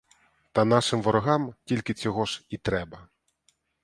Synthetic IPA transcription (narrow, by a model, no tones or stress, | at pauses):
t̪ɐnɑʃɪmʋɔɾɔɦɑmtʲilʲkɪt͡sʲɔɦɔʒit̪ɾɛbɐ